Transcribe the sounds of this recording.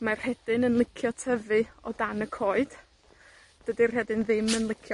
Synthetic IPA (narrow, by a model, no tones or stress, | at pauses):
mar̥hɛd̥ɨnənlˠɪkʰjɔtʰəvɨɔdanəkʰoːɨd̥ | d̥ədir̥ɛdɨnðɪmənlˠɪkʰjɔ